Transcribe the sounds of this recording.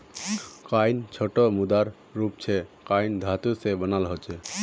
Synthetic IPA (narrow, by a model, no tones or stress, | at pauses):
kajnt͡ʃʰɔʈɔmud̪aɾː | upt͡ʃʰɛkaind̪ʱat̪usebənalɦɔt͡ʃʰɛ